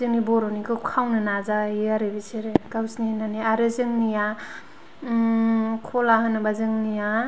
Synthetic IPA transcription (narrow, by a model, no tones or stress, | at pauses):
zɯŋnibɔɾonikɯkʰawnɯnazaiaɾebiseɾekawsninaniaɾɯzɯŋnija | kʰɔlahɯnabazɯŋnija